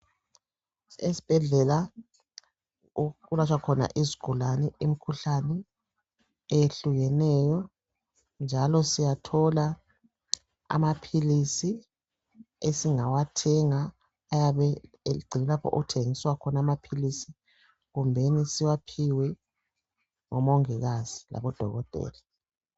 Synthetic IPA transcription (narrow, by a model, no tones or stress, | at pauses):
esi̥b̥ʱɛɮɛla | ulat͡ʃwakʰɔna̰ʔiziɡ̥ʱulanɛim̩kʰuɬanɛ | ejeɬuɣɛnɛjɔ | nd͡ʒʱalɔsijatʰɔla | a̰mapʰilisi | esiŋawatʰɛŋaː | jaβɛ | eɡ͡ǀʱinɛlapʰɔ̰ʔṵɣutʰeŋiswakʰɔnamapʰilisi | ɣumbʱenisiwapʰiwɛ | ŋɔmɔŋiɣaz̥ila̰βɔd̥ʱɔ̰ɣɔtʼɛ̰ːla